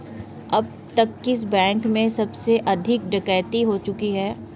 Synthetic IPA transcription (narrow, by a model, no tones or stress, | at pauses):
ɐb̚ | t̪ɐkːɪs̬bɛ̃ːŋkmẽsɐbseʔɐd̪ʱɪk̚ɖɐkəːjt̪iɦot͡ʃʊkiɦɛː